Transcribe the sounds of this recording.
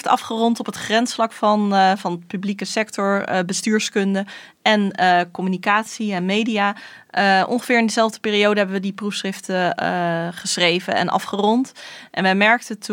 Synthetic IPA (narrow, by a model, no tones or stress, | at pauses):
tɑfχərɔntɔpətχrɛnsflɑkfɑnvɑnətpyblikəsɛk̚tɔɹbəstyːɹskɵndə | ɛnkɔmynikaːtsiɛnmejdijaː | əʔɔ̰ŋχəvɪːɹɪndəzɛlˠvdəpɪːriowdəɦɛbəʋədiprufsχrɪftə | χəsrejvə̰nɛ̰nʔɑ̰fχərɔntʔɛ̰nʋəjmɛɹk̚tətʰ